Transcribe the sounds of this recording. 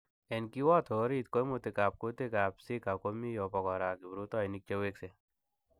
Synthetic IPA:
ɛ˨nki˦wɔ˦t̪ʰɔ˨˦ɾi˦t̪ko˦jmot̪e˨ka˨p̚ko˦t̪e˦ka˨psi˦ka˨ko˦mi˦jɔ˨pɔ˨kɔ˨ɾa˨ki˨bɾu˦t̪ɔ˦i˨ni˦k̚t͡ʃe˦we˦kse˨

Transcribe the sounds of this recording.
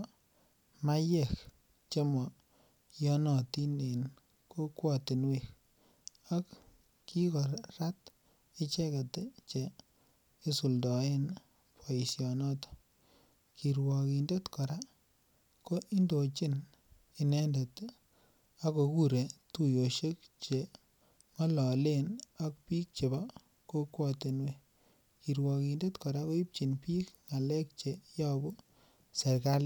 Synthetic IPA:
ma˦jɛ˨k | t͡ʃe˦mɔ˨ | jɔ˦nɔ˨ti˦ne˨n | ko˦kwɔ˦˨tɪ˨nwi˨k | a˦k | ki˦kɔ˨ɾɾa˦t | ɪ˦t͡ʃɛ˦ka˨te˦t͡ʃeː˨˦ | su˨ldɔ˨e˦n | pʰo˨i˨sjɔ˨nɔ˦to̥ | ki˨ɾwɔ˨ki˨nde˦tkɔ˨ɾa˦ | ko˦ʔi˦ndo˨t͡ʃɪ˦n | i˨nɛ˦nde˨t | a˦ko˨ku˦ɾe˨tu˦jo˨ʃe˦k̚ | t͡ʃe˨ | ŋɔ˦lɔ˨le˦na˦k̚pi˦k̚t͡ʃe˨ba˦ | ko˦kwɔ˦te˨nwe˦ | ki˨ɾwɔ˨ki˨nde˦tkɔ˨ɾa˦ko˦i˦p̚t͡ʃi˨npi˦k̚ŋa˨lɛ˦k̚t͡ʃe˨jɔ˦bʊ˦ | se˨ɾka˦l

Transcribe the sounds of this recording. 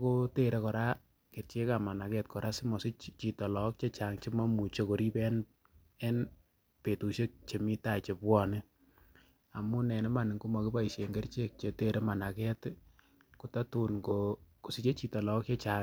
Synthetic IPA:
ko˦te˨ɾe˦kɔ˨ɾa˦ | ke˨ɾt͡ʃe˦ka˨ma˨na˨kɛ˦t̚kɔ˨ɾa˦sɪ˦mɔ˨sɪ˦t͡ʃt͡ʃi˨tɔ˨lɔ˨k̚t͡ʃe˦t͡ʃa˨ŋt͡ʃi˦ma˦mu˨t͡ʃe˦ko˨ɾi˦pɛ˦n | ɛ˦n | pe˨tu˨ʃe˦k̚t͡ʃe˨mi˦ta˨t͡ʃe˨pwɔ˦nɪ˦ | a˨mu˦nɛ˨nɛ˦ma˨nɪ˨ŋku˦ma˨kɪ˦ba˦i˨ʃe˨ŋɡe˦rt͡ʃe˦k̚t͡ʃe˨te˨ɾe˦ma˨na˨kɛ˦t | ku˨ta˦tu˨nkoko˨si˦t͡ʃe˦t͡ʃi˨tɔ˨lɔ˨˦k̚t͡ʃe˦t͡ʃa

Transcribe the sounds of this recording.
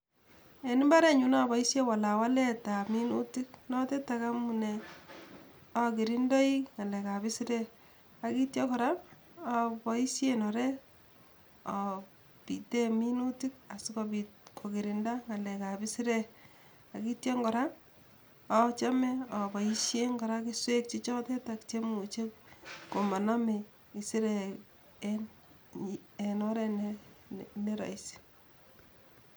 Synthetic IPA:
e˨ni˦mba˦ɾɛ˦ɲu˦na˦bɔ˨i˦sje˦wa˨la˨wa˦lɛ˦ta˨mi˦nṵ˦ti˦knɔ˦tɛ˦taka˦mu˨nɛ˨ | ɔ˨ke˨ɾi˦ndɔ˦i˦ŋa˨lɛ˨ka˨bɪ˦si˦ɾɛ˦ | a˨ki˦tjɔ˦kɔ˨ɾa˦m | ɔ˨bɔ˨i˦sje˦nɔ˨ɾɛ˦ | ɔ˨ | pi˨tɛ˦mi˦nu˦ti˦k̚a˨si˦kɔ˧bi˨kʰo˨ki˨ɾi˨nda˦ŋa˨lɛ˨ka˨bi˦si˦ɾe | a˨ki˦tje˦ŋɡɔ˨ɾa˦ | ɔt͡ʃa˦mɛ˦ɔ˨bɔ˨i˦ʃje˦ŋɡɔ˨ɾa˦ki˦swe˦k̚t͡ʃi˦t͡ʃɔ˦tɛ˦takt͡ʃe˦mu˨t͡ʃe˦kko˨ma˨na˦me˨ | i˨si˦ɾe | e˨nɔɾɛ˦n | ne˦ɾa̰˨isi̥

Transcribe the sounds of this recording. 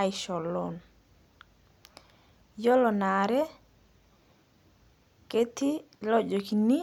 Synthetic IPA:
ajʃɔ˨lːɔn | jɔ˦lɔ˨na˨ɾɛ˦ | ke˦t̪i˦ | lɔ˦d͡ʒo˨kini˦

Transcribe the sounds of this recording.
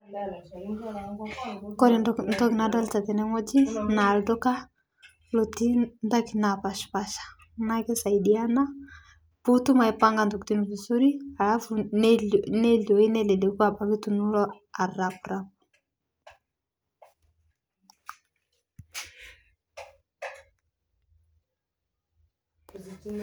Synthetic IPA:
kɔ˦ɾi˨ntɔ˦ki˨na˨˦da˦lt͡ʃa˨t̪ɛ˨nɛ˦ŋɔ˦d͡ʒi˦na˨ldɔ˦ka˦ | lo˨ti˦nda˦ki˨na˨pa˨ʃpa˦ʃḁ˨ | na˦kɛ˦sa˨i˨di˨a˦na˦ | pu˦tu˦ma˨i˨pa˦ŋɡa˨ndɔ˨kti˦nu˨vi˨su˦ɾi˦a˨la˦fu˨nnɛ˦lɔ˨i˦nɛ˦lɛ˨lɛ˨˦ku˦a˦˨ba˨ki˦tu˨nu˦lɔ˦ | a˨ɾa˨pu˨ɾa˦pu̥˨

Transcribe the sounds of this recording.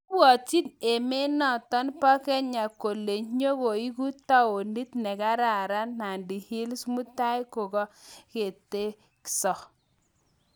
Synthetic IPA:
wɔ˨t͡ʃi˦ne˨me˦nɔ˦˨tɔ˦npa˦kɛ˦ɲa˨ko˨le˨ɲo˦ko˨i˦ku˦ta˦o˨ni˦tnɛ˨ka˦ɾa˨ɾa˦na˨ndi˨hɪ˦lsmu˦ta˦jko˨kɔ˦ke˨te˦ | ksɔ˨

